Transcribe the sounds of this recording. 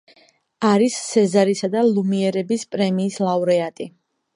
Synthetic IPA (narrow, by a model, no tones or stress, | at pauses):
aɾissɛzaɾisad̪alˠumiɛɾɛbispʼɾɛmiːslˠavɾɛat̪ʼi